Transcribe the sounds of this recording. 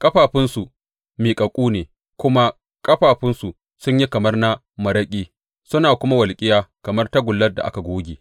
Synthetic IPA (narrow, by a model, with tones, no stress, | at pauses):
kʼɐ˦ɸaː˨ɸɪ˦nsu˨ | miː˨kʼɐ˨kʷʼuː˦neː˨ | kʷʊ˦ma˦ | kʼɐ˦ɸaː˨ɸɪ˦nsu˨ | sʊ˦ɲji˦kɐ˨mɐ˦rna˦ | mɐ˨ɾɐ˦kʲʼiː˦ | sʊ˦naː˨kʷʊ˦ma˦wɐ˨lkʲʼɪ˦jaː˦kɐ˨mɐ˦rtɐ˦ɡʷʊ˨lːɐ˦rda̰˨ʔa̰˦ka˨ɡʷoː˦ɡʲeː˨